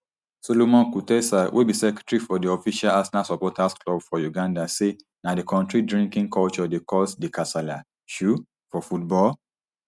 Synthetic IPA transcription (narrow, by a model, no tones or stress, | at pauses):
solomɔ̃nkutɛsawʔebisɛkɛ̥tɹifɔdiɔfiʃalasɛnasɔpɔtʰasklɔbfɔjuɡãndase | nadekʰɔ̃ntɹidɹĩŋkĩŋkʰɔlt͡ʃɔdekɔsdekʰasala | ʃu | fɔfut̚bɔl